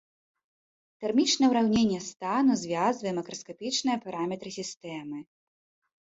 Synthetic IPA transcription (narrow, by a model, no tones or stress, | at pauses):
t̪ɛrmʲit͡ʂnɐwɾawnʲenʲːɛst̪anuzʲvʲazvɨjɛmɐkɾɐskapʲit͡ʂnɨjɐpaɾamʲɛt̪ɾɨsʲist̪ɛmɨ